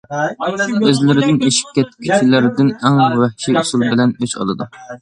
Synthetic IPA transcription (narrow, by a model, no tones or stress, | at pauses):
øzlɪɾɪd̪ɪneʃi̥p̚kʲɛt̪kʲʰyt͡ʃʲʰilɪɾɪd̪ɪnɛŋwɛhʃiusulˠbɪlɛnøt͡ʃɑ̰lˠɨ̰d̪u